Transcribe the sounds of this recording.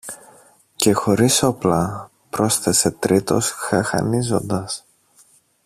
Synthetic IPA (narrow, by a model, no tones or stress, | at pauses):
ce̞xo̞ɾiso̞plɐ | pɾo̞sθe̞se̞t̪ɾit̪o̞̰sxɐxɐ̰nizo̞̰nd̪ɐs